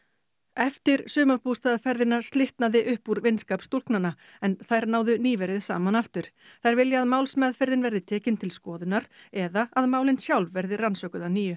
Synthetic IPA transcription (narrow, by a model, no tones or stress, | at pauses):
ɛft̪ɪɾsʏːmaɾpust̪aːðafɛɾðɪnḁst̪lɪht̪naðɪʔʏhpuɾvɪnskaːpst̪ul̥knanːa | ɛnθajɾnaːwðʏniːvɛɾɪðsa̰ːmanaft̪ʏɾ̥ | θajɾvɪljaaðmaːwlsmɛːðfɛɾðɪnvɛɾðɪt̪ʰɛːcɪnt̪ʰɪlskɔːðɪnːaɾɛðaaðmaːwlɪnsjawlvvɛɾðɪransœːkʏðaniːjʏ